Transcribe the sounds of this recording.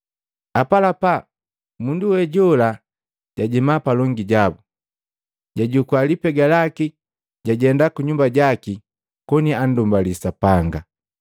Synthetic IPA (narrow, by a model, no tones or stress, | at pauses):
apalapa | munduwɛɟɔla | ɟ̥aɟimapalɔŋɡiɟabu | ɟaɟukwalipɛɡalaki | ɟaɟɛndakuɲumbaɟaki | kɔnian̩dumbalisapaŋɡa